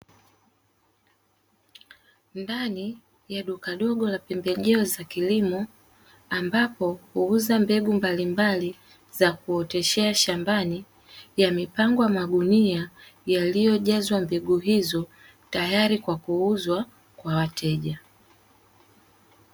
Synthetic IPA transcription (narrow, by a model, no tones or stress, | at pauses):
ndani | jaɗukaɗɔɠɔlapɛmbɛʄɛɔzakilimɔ | ambapɔhuuzambɛɡumbalimbali | zakuɔtɛʃɛaʃambani | jamipaŋɡɔjamaɠuniajalijɔʄazwambɛɡuɦizɔ | tajaɾikwakuuzwa | kwawatʰɛʄa